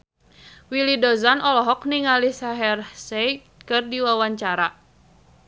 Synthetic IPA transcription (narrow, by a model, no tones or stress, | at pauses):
wilidɔzanɔlɔɦɔk̚niŋalisaɦɛrsɛj | kɨrdiwawaɲt͡ʃaɾa